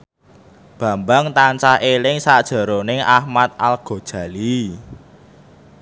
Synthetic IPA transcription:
b̥ä̤mbaŋt̪ant͡ʃahelɪŋsad̥ʒ̥ə̤ɾonɪŋʔahmat̪̚alɡ̥o̤d̥ʒ̥a̤li

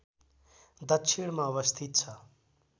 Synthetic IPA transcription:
d̪ʌksʰiɽ̃maːβʌst̪ʰit̪̚t͡sʰʌ

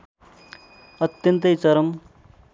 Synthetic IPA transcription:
ʌt̪jʌnt̪ʌjt͡sʌɾʌm

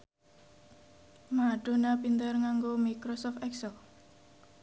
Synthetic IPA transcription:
maɖ̥o̤napind̪ərŋaŋɡomikɾɔsɔft̪ɛksɛl

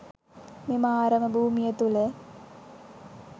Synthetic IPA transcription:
memaːɾəməbʱuːmijet̪ule

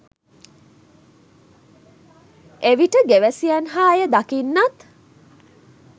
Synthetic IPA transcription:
eʋiʈəɡeʋæsiænɦaːjəd̪akinːat̪

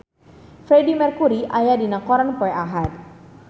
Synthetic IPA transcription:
fɾɛdimɛrkuɾiʔajadinakɔɾanpɔɛʔaɦat̪̚

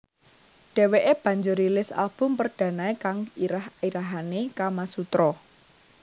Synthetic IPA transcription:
ɖ̥ɛ̤weʔeb̥ä̤ɲd͡ʒʊɾilɪsa̰lb̥ʊ̤mpərd̥ä̤naekaŋiɾahiɾaɦanekamasut̪ɾɔ

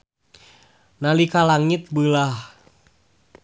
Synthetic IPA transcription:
nalikalaŋit̪̚bəlah

